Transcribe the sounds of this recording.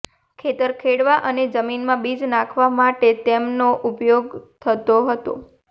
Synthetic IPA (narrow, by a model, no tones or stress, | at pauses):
kʰet̪əɾkʰeɽʋaʔəned͡ʒəminmãbid͡ʒnãkʰʋamaʈet̪emnoʔupjoɡt̪ʰət̪oɦət̪o̰